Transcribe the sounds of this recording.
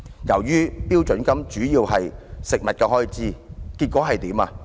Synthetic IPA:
jɐ˨˩wjyː˥piː˥wt͡ʃɵ˨˥nkɐ˥mt͡ʃyː˨˥jiː˧wɦɐ˨jsɪ˨k̚mɐ˨t̚kɛː˧ɦɔː˦˥i˨˧t͡siː˥ki˧t̚kʷɔː˨˥ɦɐ˨jt̪iː˨˥ma̰ː˧

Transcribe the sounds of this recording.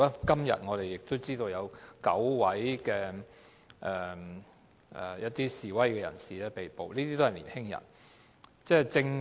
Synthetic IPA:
aː˥kɐ˥mjɐ̰˨t̚ŋɔː˨˧ɾe˨˩jɪ˨k̚t̪o˥wt͡siː˥t̪o˧wjɐ˨˧wkɐ˨˥wwɐ˨˥jkɛː˧ | ʔɛ˨ | ʔɛ̰˨˩jɐ˥t̚t̪iː˥siː˨wɐ˥jkɛː˧jɐ̰˨˩nsiː˨lɛː˥pe˨˩jpo˨˧wliː˥t̪iː˥t̪o˥ɦɐ˨˩liː˨˩nhɪ˥ŋjɐ̰˨˩n | t͡sɛː˥˩t͡sɪ˧ŋ

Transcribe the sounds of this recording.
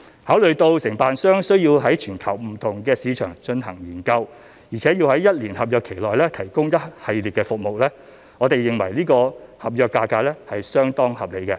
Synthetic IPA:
haː˨˥wlɵ˨ɥt̪o˧wsɪ˨˩ŋpaː˨nsœː˥ŋsɵ˥ɥjiː˧wɦɐ˨˥jt͡ʃʰyː˨˩nkʰɐ˨˩wm̩˨˩t̪ʰʊ˨˩ŋkɛː˧siː˨˧t͡ʃʰœ̰ː˨˩ŋt͡ʃɵ˧nhɐ˨˩ŋjiː˨˩nkɐ˧w | jiː˨˩t͡sʰɛː˨˥jiː˧whɐ˨˥jɐ˥t̚liː˨˩nhɐ˨p̚jœː˧kʰe˨˩jlɔː˨jlɛː˥t̪ʰɐ˨˩jkʊ˥ŋjɐ˥t̚hɐ˨jliː˨t̚kɛ˧fʊ˨k̚mo˨wlɛː˥ | ŋɔː˨˧t̪e˨jːɪ˨˩ŋwɐ˨˩jliː˥kɔː˧hɐ˨p̚jœː˨˧kːaː˧kaː˧lɛ˥hɐ˨jsœː˥ŋt̪ɔː˥ŋhɐ˨p̚le˨˧jkɛ˧

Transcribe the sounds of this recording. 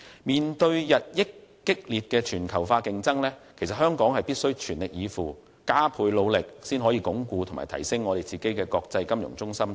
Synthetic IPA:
miː˨nt̪ɵ˧ɥjɐ˨t̚jɪ˥kː | ɪ˥k̚liː˨˩t̚kɛː˧t͡ʃʰyː˨˩nkʰɐ˨˩wfaː˧kɪ˧ŋt͡sɐ˥ŋlɛː˥kʰe˨˩sɐ˨t̚hœː˥ŋkɔː˨˥ŋɦɐ˨jpiː˥t̚sɵ˥ɥt͡ʃʰyː˨˩nlɪ˨k̚jiː˨˧fuː˨˩ | kaː˥pʰuː˨˧jlo˨˧wlɪ˨k̚siː˥nɦɔː˨˥jiː˧kʊ˨˥ŋkuː˧t̪ʰʊ˨˩ŋma̰ː˨jt̪ʰɐ̰˨˩jsɪ˥ŋːɔː˨˧ɾe˨jt͡siː˨ke˨˥jkɛː˧kɔː˧k̚t͡sɐ˧jkɐ˥mjʊ̰˨˩ŋt͡sʊ˥ŋsɐ˥m

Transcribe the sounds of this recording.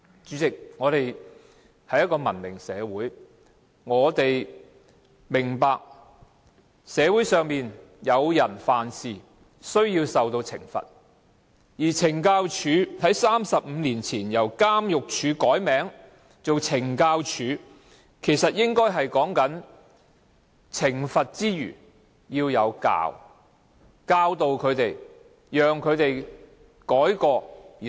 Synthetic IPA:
t͡ʃyː˨˥t͡sɪ˨k̚ŋɔː˨˧t̪e˨j̚ | hɐ˨˧jɐ˥t̚kɔː˧mɐ˨˩nmɪ˨˩ŋsɛː˨˧wuː˨˥j | ŋɔː˨˧t̪e˨j | mɪ˨˩ŋpaː˨k̚ | sɛː˨˧wuː˨˥jsœː˨ŋmiː˨njɐ˨˧wjɐ˨˩nfaː˨nsiː˨ | sɵ˥ɥjiː˧wsɐ˨wt̪o˧wt͡sʰɪ̰˨˩ŋfɐ̰˨t̚ | jiː˨˩t͡sʰɪ˨˩ŋkaː˧wt͡ʃʰyː˨˧t̪ɐ˨˥jsaː˥msɐ˨p̚m̩ː˨˧liː˨˩nt͡sʰiː˨˩njɐ˨˩wkaː˥mjʊ˨k̚t͡ʃʰyː˨˧kɔː˨˥jmɛː˨˥ŋ | t͡so˨wt͡sʰɪ˨˩ŋkaː˧wt͡ʃʰyː˨˧ | kʰe˨˩jsɐ˨t̚jɪ˥ŋkɔː˥jɦɐ˨jkɔː˨˥ŋkɐ˨˥n | t͡sʰɪ˨˩ŋfɐ˨t̚t͡siː˥jy̰ː˨˩ | jiː˧wjɐ˨˧wka̰ː˧w | kaː˧wt̪o˨wkʰɵ˨˧ɥt̪e˨˩j | jœː˨ŋkʰɵ˨˧ɥt̪e˨j | kɔː˨˥jkɔː˧˨

